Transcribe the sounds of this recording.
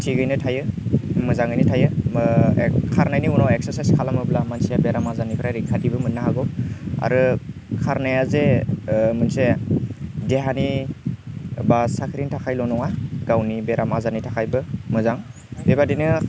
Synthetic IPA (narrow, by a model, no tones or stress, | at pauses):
tʰiɡɯjnɯtʰajɯmɯzaŋɯjnɯtʰajɯ | kʰaɾnajniunawek̚saɾsajskʰalamɯblamanseabeɾamazanipʰɯɾajɾiŋkʰadibɯmɯnaɦaɡɔa̰ɾɯkʰaɾnajaze | mɯnse | deɦani | basakʰɾiŋtʰakʰajlɔnɔŋaɡ̥awnibeɾamazanijtʰakʰajbɯmɯzaŋ | bebadinɯ